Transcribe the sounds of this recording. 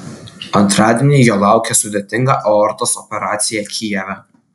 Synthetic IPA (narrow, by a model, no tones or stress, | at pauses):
ɐnt̪ɾɑːd̪ʲɛnʲijoːlˠɑˑʊkʲɛsʊd̪ʲɛt̪ʲɪŋɡɑʔɔɔɾt̪osɔpʲɛɾɑːt̪sʲɪjɛkʲʰijɛʋʲɛ